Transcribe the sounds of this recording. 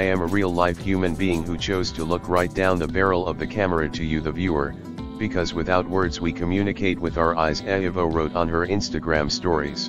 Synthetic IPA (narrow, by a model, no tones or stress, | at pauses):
aɪɨ̃məɹilˠlaɪfhjʉmɨ̃nbiɪ̃ŋhut͡ʃʰoʊz̥tʰəlʊkʰɹaɪt̚d̥ãʊ̃nðəbɛɹl̩ˠʌvðɨkʰæmə˞ɨɾʰɨjɨðɨvjʉə̰˞ | b̥ɨkʰʌzwɨθaʊt̚wɜ˞dzwikʰɨmjʉnɨkʰeɪt̚wɨðaə˞aɪzɛɨvoʊɹoʊɾn̩ə˞ɪ̃nstɨɡɹæ̃mstɔɹḭz̥